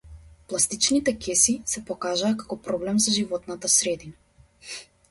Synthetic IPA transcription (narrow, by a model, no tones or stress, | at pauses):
plˠast̪it͡ʃnit̪ɛkʲɛsisɛpɔkaʒaːkḁkɔpɾɔblɛmzaʒivɔt̪nat̪asɾɛd̪ina